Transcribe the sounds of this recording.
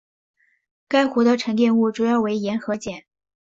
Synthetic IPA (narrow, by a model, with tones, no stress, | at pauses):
ka˥ɪxu˧˥d̪ə˧ʈ͡ʂʰɤ˧˥ŋt̪̬jɛ˥˧nu˥˩ʈ͡ʂu˨˩jɑ˥˩ʊwe˧˥ɪjɛ˧˥nxɤ˧˥t͡ɕjɛ˨˩˦n